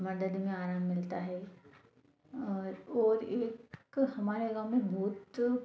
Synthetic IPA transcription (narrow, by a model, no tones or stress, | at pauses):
mɐd̪əd̪mẽaːɾaːmːɪlt̪aɦɛ | ɔːɾeːkhɐmaːɾeɡamːẽbʱuːt̪